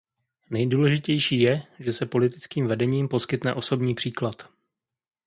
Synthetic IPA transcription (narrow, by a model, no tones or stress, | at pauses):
nɛjduːlɛʒɪcɛjʃiːjɛʒɛsɛpo̞lɪt̪ɪt͡skiːmvɛdɛɲiːmpo̞skɪt̪nɛʔo̞so̞bɲiːpr̥iːklat̪